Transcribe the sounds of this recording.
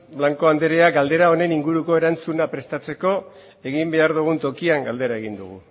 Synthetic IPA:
blaŋko̞and̪eɾeaɡald̪e̞ɾao̞ne̞niŋɡuɾuko̞e̞ɾant͡sunapɾe̞st̪at͡se̞ko̞ | e̞ɣimbe̞aɾðuɣ̞unt̪o̞kiaŋɡald̪e̞ɾae̞ɣ̞ind̪uɣ̞ṵ

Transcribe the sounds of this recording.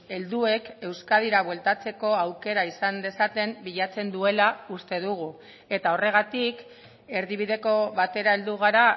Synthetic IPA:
e̞ld̪ue̞ke̞wskaðiɾaβwe̞lt̪at͡se̞ko̞awke̞ɾaisand̪e̞sat̪e̞mbiʎat͡se̞nd̪ue̞laust̪e̞ðuɣ̞u | e̞t̪ao̞re̞ɣ̞at̪ik | e̞ɾðiβiðe̞ko̞βat̪e̞ɾae̞ld̪uɣ̞aɾa

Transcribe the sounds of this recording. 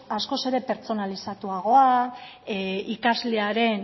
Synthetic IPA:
asko̞se̞ɾe̞pe̞ɾt͡so̞nalisat̪uaɣ̞o̞a | ikazle̞aɾe̞n

